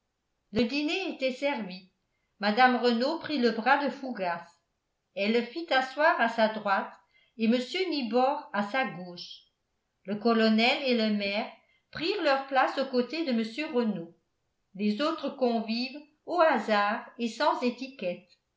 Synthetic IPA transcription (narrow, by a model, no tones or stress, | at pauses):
ləd̪ineet̪ɛsɛʁvi | mad̪amʁənopχiləbʁad̪əfuɡas | ɛlːəfit̪aswaːʁasad̪ʁwat̪ | eməsjønibɔʁasaɡoːʃ | ləkɔlɔnɛleləmɛːʁ | pχiːʁlœʁplasokot̪ed̪əməsjøʁəno | lezoːt̪χəkɔ̃viːv | oazaːʁesɑ̃zet̪ikɛt̪